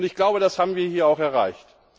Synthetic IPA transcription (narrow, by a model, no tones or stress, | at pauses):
ntɪçɡ̥laʊbəɾashaːbm̩viːɐhiːɐaʊxɛɐʁa̰ɪçt